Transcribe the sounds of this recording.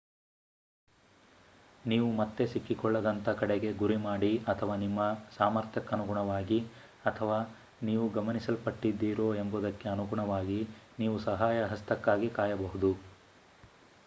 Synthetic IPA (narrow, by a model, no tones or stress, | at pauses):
niːʋumɐt̪ːe̞sikːikɔɭːɐd̪ɐnt̪ɐkɐɽeɡe̞ɡuɾimaːɽiɐt̪ʰɐʋaːnimːɐsaːmɐɾt̪ʰjɐkɐnuɡuɳɐʋaːɡi | ɐt̪ʰɐʋaː | niːʋuɡɐmɐnisɐlpɐʈːid̪ːiːɾoːe̞mbud̪ɐkːe̞ɐnuɡuɳɐʋaːɡiniːʋusɐɦaːjɐɦɐst̪ɐkːaːɡikaːjɐbɐɦud̪u